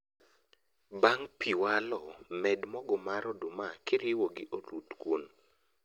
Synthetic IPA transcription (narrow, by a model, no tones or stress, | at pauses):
baŋpiwalɔmɛdmɔɡɔmaɾɔdumakɪɾɪwoɡɪʔolut̪kwon